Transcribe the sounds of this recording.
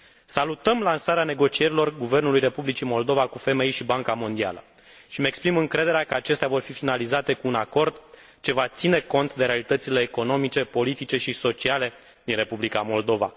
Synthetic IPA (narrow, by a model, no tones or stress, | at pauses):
salut̪əmlansaɾeane̞ɡo̞t͡ʃie̞ɾilo̞rɡuve̞rnulujre̞publit͡ʃimo̞ld̪ovakufe̞me̞jʃibaŋkamo̞nd̪ia̰lə | ʃimeekspɾimɨŋkɾe̞d̪e̞ɾeakəat͡ʃe̞st̪eavo̞rfifinalizat̪e̞kuːnako̞rd̪ | t͡ʃe̞vat̪sine̞ko̞nt̪d̪e̞ɾe̞alit̪ət̪sile̞ːko̞no̞mit͡ʃe̞po̞lit̪it͡ʃe̞ʃiso̞t͡ʃiale̞ | d̪inre̞publikamo̞ld̪o̞va̰